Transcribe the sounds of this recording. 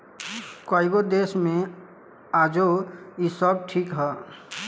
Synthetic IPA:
kaiɡod̪esmẽ | aːd͡ʒoisəb̚ʈʰikɦɛ

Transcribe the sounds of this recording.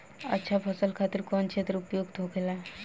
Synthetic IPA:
ə̰tːʃʰapʰəsəlkʰat̪iɾkɔnt͡ʃʰet̪ɾupjoɡt̪oɡelaɦ

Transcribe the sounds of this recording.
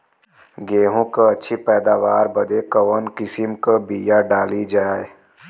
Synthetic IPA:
ɡeːɦõkaɐtːʃʰipɛːd̪aːʋaːɾbɐd̪ekɐʋənkɪsɪmkabiːjaɖaːlid͡ʒaːe

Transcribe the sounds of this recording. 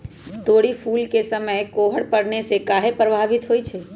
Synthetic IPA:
t̪oɽifʰulkesəməjkoɦəɽpəɽnesekaɦepɾəbʱaʋɪt̪ɦoːjt͡ʃʰe

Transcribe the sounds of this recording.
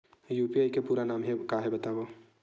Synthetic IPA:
juːpiaːikepuːɾanaːmɦekaɦebɐt̪aːbo

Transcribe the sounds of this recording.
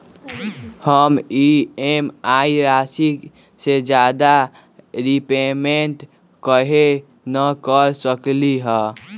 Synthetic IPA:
həmiemaiɾasik | sed͡ʒad̪a | ɾipemenʈ | kəɦe | nəkəɾsəkliɦə

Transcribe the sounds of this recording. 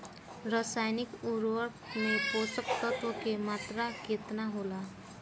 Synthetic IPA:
ɾəsajnikuɾʋəɾ | meposək̚t̪ət̪ʋəkemat̪ɾaket̪naɦola

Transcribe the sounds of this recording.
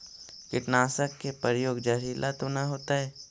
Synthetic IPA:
kɪʈnaːsəkːepəɾjoːɡd͡ʒɐɾiːlʔat̪onaɦoːt̪aɦɛː

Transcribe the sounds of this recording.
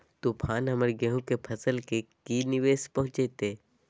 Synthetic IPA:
t̪upʰaːnɦɐməɾɡeɦũkepʰɐsəlkekinɪʋeːspɐ̃ɦʊ̃t͡ʃeːt̪eː

